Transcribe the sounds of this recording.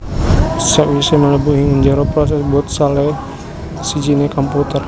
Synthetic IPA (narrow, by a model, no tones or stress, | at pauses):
saʔwisɛmələbuʔhiŋəɲd͡ʒaɾopɾɔs̬ɛsbuɔt̪̚salɛ | sid͡ʒinekɔmput̪ər